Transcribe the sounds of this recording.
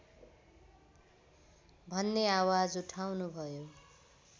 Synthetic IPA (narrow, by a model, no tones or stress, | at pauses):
bʱʌnːeawad͡zuʈʰawnubʱʌjo